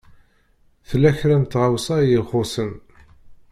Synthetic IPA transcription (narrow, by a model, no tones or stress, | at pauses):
θəlːæçɾæmt̪ʁawsajəχʊsən